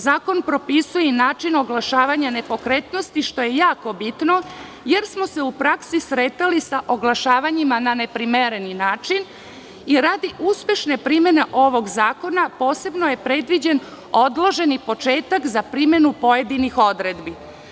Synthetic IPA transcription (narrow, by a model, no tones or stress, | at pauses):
zaːko̞npɾo̞pisujenaːt͡ʃino̞ɡlˠaʃaːʋaɲane̞po̞kɾe̞t̪nost̪iʃt̪o̞je̞jaːko̞bit̪no̞ | je̞ɾsmo̞se̞upɾaksisɾet̪alisaʔo̞ɡlˠaʃaːʋaɲimanane̞pɾimeɾeninaːt͡ʃin | iɾad̪iʔuspje̞ʃne̞pɾime̞ne̞ʔo̞ʋo̞ɡzaːko̞napo̞ːse̞bnoje̞pɾe̞d̪ʋid͡ʑe̞n | o̞d̪loʒe̞nipo̞t͡ʃe̞ːt̪akzapɾime̞nupo̞jed̪inixo̞d̪ɾed̪bi